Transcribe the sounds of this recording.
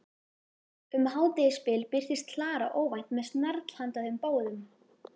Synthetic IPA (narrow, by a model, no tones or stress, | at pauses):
ʏmɦaːwt̪ɪjɪspɪlpɪr̥t̪ɪst̪ʰlaːɾa̰ʔoːwvajht̪mɛðst̪nɛɾt̪l̥hant̪aðʏmpoːwðʏm